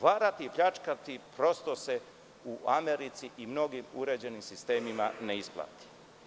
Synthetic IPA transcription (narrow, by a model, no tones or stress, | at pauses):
ʋaːɾat̪iːpʎat͡ʃkat̪ipɾo̞st̪o̞se | uʔameɾit̪siʔimno̞ɡimṵɾe̞d͡ʑe̞nimsist̪e̞ːmimaneisplˠa̰ːt̪i̥